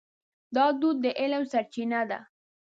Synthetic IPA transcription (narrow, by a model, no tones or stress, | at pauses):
d̪ɑd̪ud̪̚ːəʔɪlawsaɾt͡ʃɪnad̪a̰